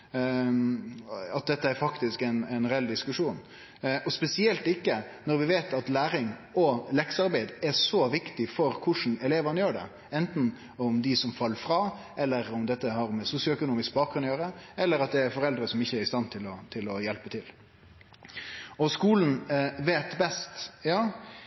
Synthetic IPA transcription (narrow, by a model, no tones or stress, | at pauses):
ɑt̪̚d̪ɛt̪ːəæɾfɑkt̪ɪskɛɪnɛnɾɛɛld̪ɪskʉʂuːn | ɔspɛsɪɛlt̪ɪkːənɔɾʋɪʋeːt̪ʰɑt̪læːɾɪŋɔlɛksɑɾbæɪd̪ɛʂɔʋɪkt̪ɪfɔɾkʰʊʂn̩ɛleːʋənəjøːɖɛ̰ | ɛnt̪n̩ | ʊmd̪ɪsɔmfɑlːəfɾɑː | ɛlːəɾʊmd̪ɛt̪ːəhɑɾmɛsʊsjʊœkʊnuːmɪsk̚bɑːk̚ɡɾʉnjøːɾəɛlːəɾɑt̪̚d̪ɛæɾfɔɾɛld̪ɾəsɔmɪçːəæɾɪst̪ɑnt̪ʰɪlɔt̪ʰɪlɔjɛlpət̪ʰɪl | ɔskuːln̩ʋeːt̪bɛst̪jɑː